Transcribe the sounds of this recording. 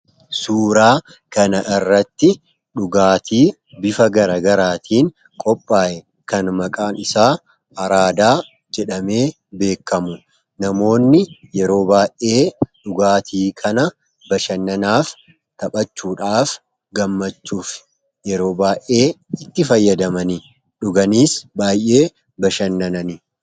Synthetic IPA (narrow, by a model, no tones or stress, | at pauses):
suːɾaː | kɐnɐʔɪrːɐt̪ːɪ | ᶑʊɡaːt̪ʰiː | bɪfɐɡɐɾɐɡɐɾaːt̪ʰiːn | kʼɔpʼːaːjɛ | kɐnmɐkʼaːnɪsaː | ɐɾaːd̪aː | d͡ʒɛᶑɐme̞ː | be̞ːkːɐmʊ | nɐmo̞ːnːɪjɛɾo̞ːbaːʔeːᶑʊɡaːt̪ʰiːkʰɐnɐ | bɐʃɐnːɐnaːf | t̪ɐɓʼɐt͡ʃːuːᶑaːf | ɡɐmːɐt͡ʃːuːfɪ̥ | jɛɾo̞ːbaːʔe̞ːɪt̪ːɪfɐjːɐd̪ɐmɐni | ᶑʊɡɐniːsbaːjʔe̞ː | bɐʃɐnːɐnɐnɪ